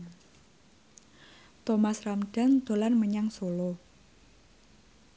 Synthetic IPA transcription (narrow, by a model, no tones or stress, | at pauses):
t̪omasramɖ̥a̤nd̪̥o̤lanməɲaŋsolo